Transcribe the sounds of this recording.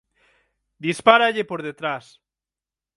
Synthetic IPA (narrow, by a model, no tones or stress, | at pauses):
d̪ispaɾaʎepoɾðet̪ɾas